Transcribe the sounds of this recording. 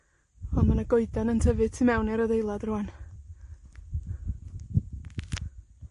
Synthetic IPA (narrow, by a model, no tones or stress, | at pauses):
ɔnmanaɡoɨdanəntʰəvɨd̚tʰɨmɛwniɾəðejlˠadruan